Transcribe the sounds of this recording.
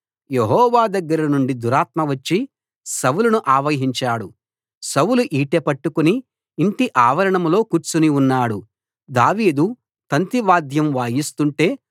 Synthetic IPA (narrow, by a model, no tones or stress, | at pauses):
jeɦɔːʋaːd̪ɐɡːɐɾɐnuɳɖid̪uɾaːt̪mɐʋɐt͡ʃːi | sɐwulɐnuʔaːʋɐɦiɲt͡ʃaːɽu | sɐwuluʔiːʈepɐʈːukuniː | ɳʈiʔaːʋɐɾɐɳɐmlo̞ːkuɾt͡ʃuniunːaːɽu | d̪aːʋiːd̪u | t̪ɐnt̪iʋaːd̪ʱjɐmʋaːjist̪uɳʈe̞ː